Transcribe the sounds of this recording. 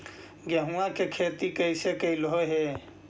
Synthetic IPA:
ɡjaɦũãkekʰeːt̪ikəɪsekəilɦoɦe

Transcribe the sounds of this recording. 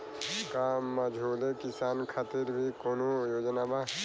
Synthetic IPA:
kaməd͡ʒʱoːlekɪsaːnkʰat̪iɾbʱikoːnojoːd͡ʒnaba

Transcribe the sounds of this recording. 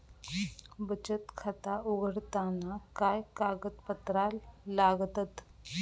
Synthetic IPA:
bət͡ɕət̪kʰat̪auɡəɽt̪anakajkaɡət̪pət̪ɾalːaɡt̪ət̪

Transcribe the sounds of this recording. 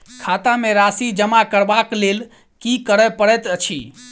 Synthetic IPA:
kʰat̪ameɾasid͡ʒəmakəɾbaklel | kikəɾɛpəɽɛt̪ət͡ʃʰḭ

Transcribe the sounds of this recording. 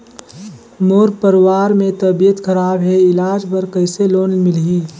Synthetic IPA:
moːɾpəɾwaːɾmẽt̪əbijət̪kʰəɾaːbɦɛɪlaːd͡ʒpəɾkəɪseloːnmɪlɦiː

